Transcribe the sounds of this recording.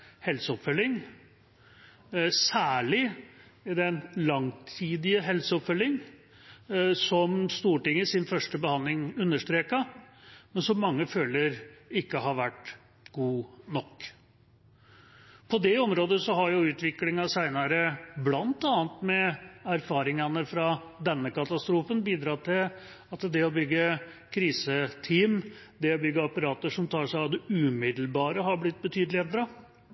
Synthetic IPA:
hɛlsəɔpfœlːɪŋ | sæːɭɪ | d̪ɛnlɑŋt̪ʰiːd̪ɪəɦɛlsəɔpfœlːɪŋ | sɔmst̪uːʈɪŋːəsɪnfœʂʈəbəhɑnd̪lɪŋʉnːəʂʈ̪ɾeːkɑmɛnsɔmːɑŋːəføːləɾɪkːəɦɑɾʋæʈ | ɡ̥uːnɔkː | pʰɔd̪ɛɔmɾoːd̪əsɔɦɑɾjʊʉːt̪ʋɪklɪŋɑsæɪnɑɾəblɑnt̪ɑːnt̪mɛæɾfɑːɾɪŋɑnəfɾɑ | d̪ɛnːəkɑt̪ɑst̪ɾuːfənbiːd̪ɾɑːt̪ʰɪl | ɑt̪d̪ɛɔbʏɡːə | kʰɾiːsət̪ʰiːm | d̪ɛɔbʏɡːəɑpɑɾɑːt̪əʂɔmt̪ʰɑːʂæɪɑʋd̪ɛʉːmɪd̪lbɑːɾəɦɑɾblɪt̪̚ːbət̪ʰyːd̪lɪɛd̪ɾɑ

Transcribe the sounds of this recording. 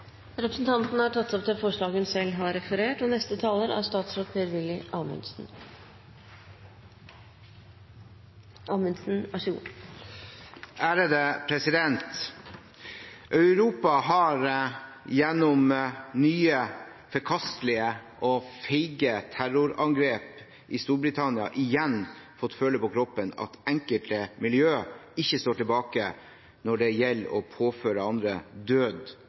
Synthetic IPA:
ɾɛpɾə̥sn̩t̪ʰɑnt̪nəhɑʈʰɑt̪ːɔp̚t̪ʰɪfɔʂɭɑːɡhʉnsɛlːɦɑɾɛfəɾeːʈɔnɛst̪ət̪ʰɑːləɾɑ̰st̪ɑːt̪sɾoːt̪̚pʰeːɾʋɪlːɪʔɑːmʉ̰nsn̩ | ʔɑːmənsn̩æʂṵ | ʔæːɾəd̪eːpʰɾɛsɪd̪ɛnt̪ | ʔɑʉɾuːpɑɦɑɾjɛnːɔmnyːə | fɔɾkʰɑst̪lɪəʔɔfɛɪɡət̪ʰæɾʊɾɑŋɡɾeːp | ʔɪst̪uːɾbɾɪt̪ʰɑnɪɑ̰ʔɪjɛnfɔt̪ːføːləpɔkʰɾɔpːənɑ̰t̪ɛŋkəlt̪əmɪljøːɪçːəst̪oːʈɪlbɑːkə | nɔɖɛjɛlːɔ̰pʰoːføːɾəɑnd̪ɾəd̪øːd̪

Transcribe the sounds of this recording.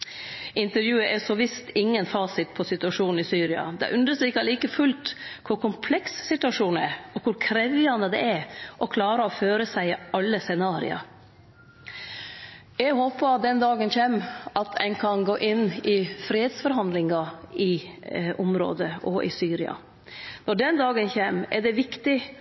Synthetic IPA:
ɪnt̪əɾjʉːəʔɛsɔʋɪst̪ɪŋːənfɑːsɪt̪̚pʰɔsɪt̪ʉɑʂuːn̩ɪsyːɾɪɑ̰d̪ɛ̰ʔʉnd̪əst̪ɾiːkɑliːkəfʉlt̪kʰʊɾkʰʊmpʰlɛkssɪt̪ʉɑʂuːnæɾɔkʰʊɾkʰɾɛʋɪɑnəd̪ɛ̰æɾʔɔkʰlɑːɾəɔføːɾəsæɪɑlːəsɛnɑːɾɪ̰ɑ̰ɾ | jɛɡhoːpəd̪ɛnd̪ɑːɡənçeːmɑt̪ʰæ̰ɪnkʰɑnɡoːʔɪnːɪfɾiːed̪sfɔɾɦɑnd̪lɪŋɑɪʔʊmɾo̰ːd̪əʔɔʔɪ̰syːɾɪɑ̰ | nɔɖɛnd̪ɑːɡənçeːmɛ̰ɖɛʋɪkt̪ɪ

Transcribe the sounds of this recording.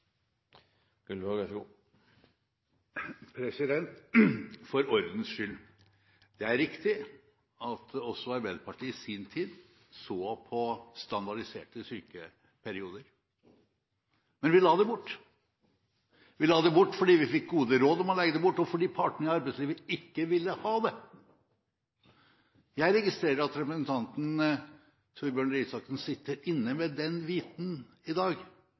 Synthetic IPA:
kʉlɑɡɛɡuː | pʰɾɛsɪd̪ɛnt̪ | fɔɾɔɾd̪n̩sʃʏl | d̪̥ɛæɾɾɪkt̪ɪ | ɑt̪ɔsːɔɑɾbɛd̪pʰɑʈiːɪsɪnt̪ʰiːd̪ | soːpʰɔst̪ɑnd̪ɑɖɪseːʈəsyːkə | pʰæɾɪuːd̪əɾ | mɛnʋɪlɑːd̪ɛbʊʈː | ʋɪlɑːd̪ɛbʊʈːfɔɖiːʋɪfɪk̚ɡuːd̪əɾoːd̪ɔmɔlɛɡəd̪ɛbʊʈːɔfɔɖiːpʰɑʈɳəɪɑɾbɛɪsliːʋəɪkːəʋɪlːəhɑːd̪ɛ | jæɪɾɛɡɪst̪ɾeːəəɑt̪ɾɛpɾəsn̩t̪ʰɑnt̪n̩ | t̪ʰuːɾbjøːɳɾiːsɑksn̩sɪt̪ːəɾɪnːəmɛd̪ɛnʋiːt̪n̩ | ɪd̪ɑːɡ

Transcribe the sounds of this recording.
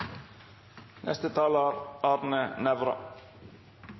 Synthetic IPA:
nʔɛ̰st̪ət̪ʰɑːlaɾɑːɾnənɛʋɾɑ̰

